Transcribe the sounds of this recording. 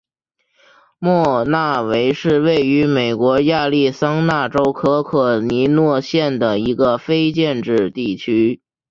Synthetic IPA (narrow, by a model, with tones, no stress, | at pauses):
mwɔ˥˧na˥˩we˧˥ɪʂɻ̩˥˧we˥˩ɪy˧˥me˨˩ɪkwɔ˧˥ja˥˧li˥˩sɑ˥ŋna˥˩ʈ͡ʂo˥ʊkʰɤ˥kʰɤ˨˩ni˧˥nwɔ˥˧ɕjɛ˥˩nd̪ə˩i˧˥ɡə˧fe˥ɪt͡ɕjɛ˥˧nʈ͡ʂɻ̩˥˧t̪i˥˩t͡ɕʰy˥